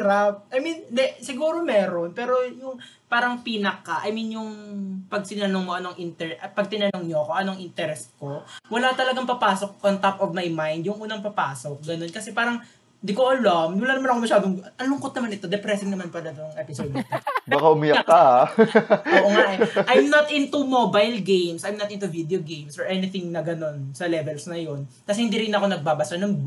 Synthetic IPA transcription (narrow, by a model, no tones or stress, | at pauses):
ɾap̚ʔɐjminnd̪ɛsɪɡuːɾo̞mɛːɾo̞npɛːɾo̞jʊŋ | paːɾɐŋpiːnɐkːɐʔɐjminjʊŋpɐɡ̚sɪnɐnoŋmoʔɐnoɐŋʔɪnt̪ɛɾɛʔpɐɡ̚t̪ɪnɐnoŋɲoɐkoŋʔɐnoɐŋʔɪnt̪ɛɾɛsko̞wɐlat̪ɐlɐɡaŋpɐpaːso̞k̚ːɐŋt̪apʔovmajmajnd̪̚jʊŋʔuːnɐŋpɐpaːsok̚ɡɐno̞nkɐsɛpaːɾɐŋ | nd̪ikoʔɐlomwɐlanɐmanɐkomɐʃaːd̪oŋʔɐnlʊŋkot̪̚nɐmanɪt̪o̞d̪ɛpɾɛsɪŋnɐmanpɐlɐd̪oŋʔɛpɪsoːd̪ɪt̪obakaʔʊmɪjakːa | oːʔoŋaʔɛʔajmnɐt̪ʔɪnt̪umobajlɡejmsʔɐjmnɐt̪̚ɪnt̪uvid̪ɛoɡejmsɔɹʔɛnɪθɪŋnɐɡɐno̞nsɐlɛvɛlsnɐjo̞nkɐsɛhɪnd̪iɾɪnɐko̞nɐɡ̚baːbɐsanɐŋ